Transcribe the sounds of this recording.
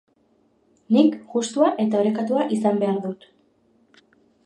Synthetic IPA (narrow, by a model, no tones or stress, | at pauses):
nikɡust̪uaʔe̞t̪ao̞ɾe̞kat̪uaʔisambe̞aɾðut̪